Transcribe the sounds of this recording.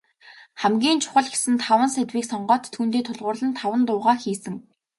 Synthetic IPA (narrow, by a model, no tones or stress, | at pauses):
χæmɡʲiːnt͡ɕʰʊ̥χə̆ɮɡe̥sɘ̆nt̪ʰawə̆nsæt̪wiːksɔɴɢœːt̪ʰːuːnt̪eːt̪ʰʊɮʁʊːrɮə̆nt̪ʰawə̆nt̪ʊːʁaːxiːsɘ̆ŋ